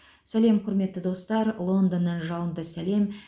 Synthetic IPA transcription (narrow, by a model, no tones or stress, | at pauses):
sæle̞mqʰʊɾme̞t̪ːəd̪o̞st̪ɑɾlˠo̞nd̪onːɑnʒɑlˠənd̪əsæle̞m